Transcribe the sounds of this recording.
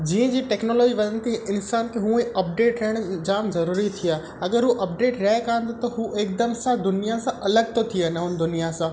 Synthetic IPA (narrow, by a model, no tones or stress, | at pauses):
d͡ʑiːə̃d͡ʑiːʈɛːknoːlɔːd͡ʑiʋɐlənɪ̆t̪ʰiɪnsaːnkʰeɦũẽɐp̚ɖeːʈɾɐɦɪɽ̃̆d͡ʑaːmzɐɾuːɾit̪ʰijaː | ɐɡəɾɦuʔɐp̚ɖeːʈɾɐɦekãːnd̪ot̪ɐɦuʔeːk̚d̪əmsãd̪ʊnijasãʔɐləɡ̚t̪ot̪ʰiənɦʊnɪ̆d̪ʊnijasãː